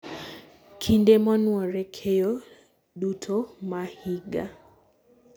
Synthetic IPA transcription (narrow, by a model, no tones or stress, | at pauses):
kʰindemɔnwɔɾɛkʰejo | ɗutʰomahiɡa